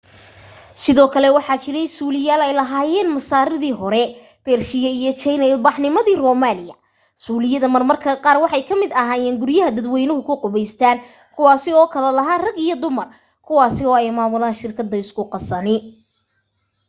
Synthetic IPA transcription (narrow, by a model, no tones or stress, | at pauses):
sɪðɔːkʰɐlɛwɑħɑːt͡ʃɪɾɛjsuːlɪjaːlɛjlɐɦaːjɛːnmɐsaːɾɪðiːɦɔɾɛ | b̥ɛːrʃɪjɐijɞt͡ʃɛjnɐɪlbɑħnɪmɐðiːrɔːmaːlɪjɐ | suːlɪjɐðɐmɐrmɐrkʰɐqɑːrwɑħɑjkʰɐmɪd̪ɐɦaːjɛːnɡʊɾjɐɦɐd̪ɐd̪wɛjnʊɦʊkʰʊqʊβɛjst̪ʰaːn | kʰʊwɑːsɪɔːkʰɐlɛlɐɦaːrɐɡijɔd̪ʊmɐr | kʰʊwɑːsɪɔːɛjmaːmʊlaːnʃɪrkʰɐd̪ːɐɪskʰʊqɑsɐnɪ